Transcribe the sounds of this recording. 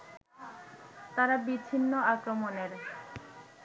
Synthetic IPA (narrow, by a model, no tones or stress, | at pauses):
t̪aɾabit͡ɕʰinːoakɾomoneɾ